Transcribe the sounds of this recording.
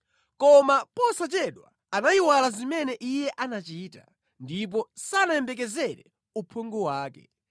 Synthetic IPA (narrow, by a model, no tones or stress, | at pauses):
kɔmapɔsat͡ʃɛɗwa̰ːnaiwalazimɛnɛʔijɛʔanat͡ʃiːta | ndip̬ɔsanajɛmbɛk̬ɛzɛɾɛ | upʰɔŋɡɔwaːkɛ̰